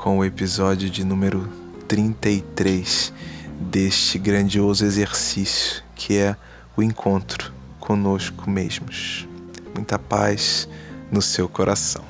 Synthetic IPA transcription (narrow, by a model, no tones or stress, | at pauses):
kʰõʊepizɔd͡ʒiʊd͡ʒɪnũmeɾʊ | t̪ɾĩnt̪ɐit̪ɾejs | d̪eʃt͡ʃɪɡɾɐ̃d͡ʒiozʊezeɾsisjʊ̥kʰɪɛ | ʊẽkʰõnt̪ɾʊ̥ | kʰõnoʃkʰʊmḛʒmʊʃmũj̃t̪ɐpajsnʊsewkoɾʔasɐ̰̃w̃